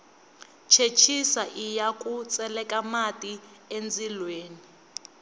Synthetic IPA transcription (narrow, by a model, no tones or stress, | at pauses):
t͡ʃʰet͡ʃʰisaʔijakʼut͡sʼɛlɛkʼamatʼi | end͡zilweːni